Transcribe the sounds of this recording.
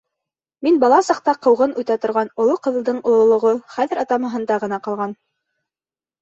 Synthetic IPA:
minbɑlˠɑsɑq̚t̪ɑqɤ̆wʁɤnʉt̪æt̪ŏɾʁɑnŏlˠoqɤ̆ðɤlˠd̪ɤɴŏlˠŏlˠŏʁoχæðɘ̆ɾɑt̪ɑmɤ̆ɦɤ̆nd̪ɑʁɤ̆nɑqɑlˠʁɑn

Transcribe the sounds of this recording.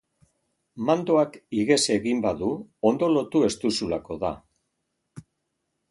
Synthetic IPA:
mand̪o̞akiɣe̞se̞ɣimbaðuond̪o̞lo̞t̪ue̞st̪usulako̞ða̰

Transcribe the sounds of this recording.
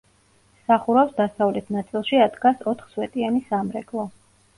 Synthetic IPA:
saχuɾafsd̪asavlɛt̪ʰnat̪sʼilˠʃiad̪ɡasɔt̪ʰχswɛt̪ʼianisamɾɛkʼlˠɔ

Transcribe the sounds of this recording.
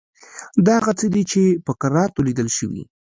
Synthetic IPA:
d̪ɑhaɣat͡səd̪it͡ʃepəkaɾɑt̪olid̪əlʃəwḭ

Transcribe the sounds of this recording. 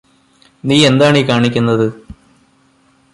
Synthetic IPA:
niːe̞nd̪aːɳiːkaːɳik̬ʲːunːɐðɨ

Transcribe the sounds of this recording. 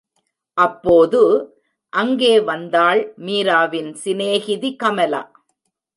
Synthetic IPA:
ʔɐpːoːðɯ | ʔɐŋɡeːʋɐnd̪aːɭmiːɾaːʋɪnsɪneːɣɪðikɐmɐla̰ː

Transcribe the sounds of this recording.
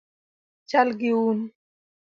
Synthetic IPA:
t͡ʃalɢɪun

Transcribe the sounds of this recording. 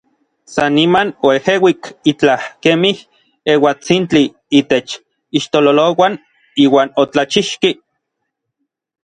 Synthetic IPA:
sanimanoehewikit͡ɬahkemih | ewat͡sint͡ɬi | iːt̪et͡ʃ | iʃt̪ololowan | iːwaːnot͡ɬat͡ʃiʃki

